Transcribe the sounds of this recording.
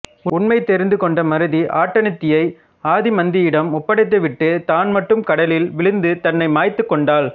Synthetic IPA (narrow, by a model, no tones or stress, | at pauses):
ʊʊɳmɐɪt̪ːɛɾɪnd̪ɯkɔɳɖɐmɐɾɯðiʔaːʈːɐnɪt̪ːɪjɐɪ | aːðimɐnd̪ɪjɪɽɐmʊpːɐɽɐɪt̪̬ːɯʋɪʈːɯt̪aːnmɐʈːɯmkɐɽɐlɪlʋɪɭɪnd̪ɯt̪ɐnːɐɪmaːjt̪ːɯkːɔɳɖaːl